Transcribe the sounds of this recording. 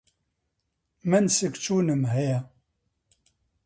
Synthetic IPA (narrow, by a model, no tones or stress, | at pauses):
mænsəkt͡ʃunəmɦæjæ